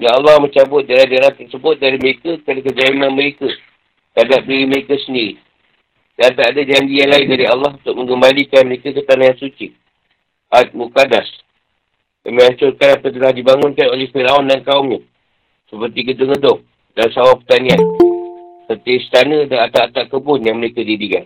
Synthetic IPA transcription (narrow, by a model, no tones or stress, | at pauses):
jaalːɑhməɲt͡ʃabʊt̪̚dalad͡ʒaɾant̪ərsəbʊt̪̚daɾiməɾekəkɾanakəd͡ʒaimanməɾekə | t̪adap̚diɾiməɾekəsəndiɾi | dant̪aadad͡ʒaɲd͡ʒijaŋlaɪndaɾialːɑhunt̪ʊk̚mə̃ŋɡəmbalikanməɾekəkət̪anajansut͡ʃi | ʔat̪̚mukadas | jamə̃aɲt͡ʃʊrkanapət̪̬əlahdibaŋʊnkanolɛhfiɾaundankaumɲã | səpərt̪iɡədəŋədʊŋ̚ | dansawapərt̪anĩan | sət̪iəist̪anə̃daat̪aʔat̪aʔkəbʊnjaŋməɾekədidikan